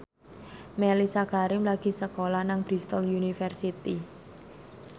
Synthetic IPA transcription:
melisakaɾɪmlaɡ̥i̤səkolanaŋb̥ɾist̪əljunifərsit̪i

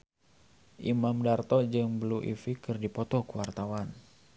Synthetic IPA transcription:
ʔimamdart̪ɔd͡ʒɨŋbəluʔḭfikɨrdipɔt̪ɔkuwart̪awan

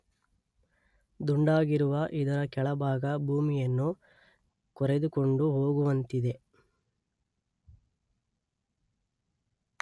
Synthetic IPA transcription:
d̪uɳɖaːɡiɾuʋɐʔid̪ɐɾɐkɛɭɐbʱaːɡɐbʱuːmijɐnːu | kɔɾed̪ukoɳɖuɦo̞ːɡuʋɐnt̪id̪e̞

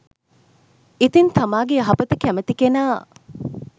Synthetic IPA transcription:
it̪int̪amaːɡeaɦɐpət̪əkæmət̪ikenaː

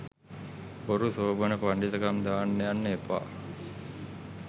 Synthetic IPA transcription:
boɾusoːbənəpaɳɖit̪əkamd̪aːnːejanːəepa̰ː

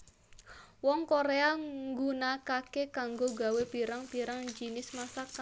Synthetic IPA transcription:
wɔŋkoɾeaŋɡunakakekaŋɡoɡa̤wepiɾaŋpiɾaŋd͡ʒinɪsmasaka

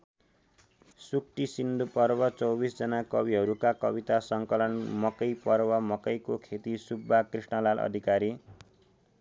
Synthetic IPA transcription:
suk̚ʈisind̪upʌrbʌt͡sʌwbisd͡zʌnakʌbiɦʌɾukakʌ̰bit̪asʌŋkʌlʌnmʌkʌjpʌɾwamʌkʌjkokʰet̪isubːakrisɳʌlalʔʌ̰d̪ʱikaɾi

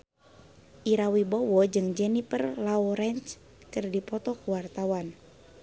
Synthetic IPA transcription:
ʔiɾawibɔwɔd͡ʒɨŋd͡ʒɛnipərlaɔɾɛnt͡ʃ | kɨrdipɔt̪ɔkuwart̪awan

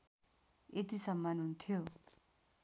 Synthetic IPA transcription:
et̪isʌmːʌnɦunt̪ʰjo

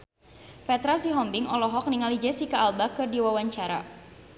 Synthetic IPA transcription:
pɛt̪ɾasiɦɔmbɪŋɔlɔɦɔk̚niŋalid͡ʒɛsikaːlbakɨrdiwawaɲt͡ʃaɾa̰

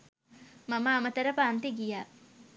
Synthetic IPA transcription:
mɐmaːmət̪ɐɾəpaːnt̪eɡijaː

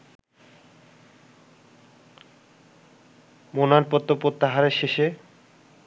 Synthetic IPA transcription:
monaɾpot̪ːopɾot̪ːaɦaɾeʃeʃe

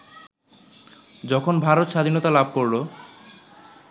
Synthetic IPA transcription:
d͡ʑɔkʰonbʱaɾot̪ʃad̪ʱinot̪alab̚ʱkoɾlo

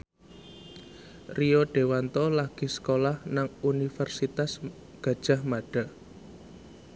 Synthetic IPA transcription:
rioɖ̥e̤want̪ɔlaɡ̥i̤sə̥kolahnaŋunifɛrsit̪as | ɡ̥ä̤d̥ʒ̥a̤hmaɖ̥a̤

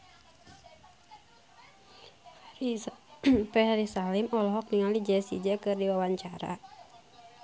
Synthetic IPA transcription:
pɛɦaɾisalɪmɔlɔɦɔk̚niŋalid͡ʒɛsḭd͡ʒakɨrdiwawaɲt͡ʃaɾa̰

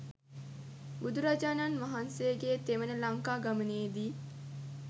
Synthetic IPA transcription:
bud̪uɾad͡ʒaːnanʋaɦansejəɡeːt̪eʋənəlaŋkaːɡaməneːd̪iː

